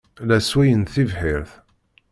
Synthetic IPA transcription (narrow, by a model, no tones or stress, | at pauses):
læswæjənθivħɪɾθ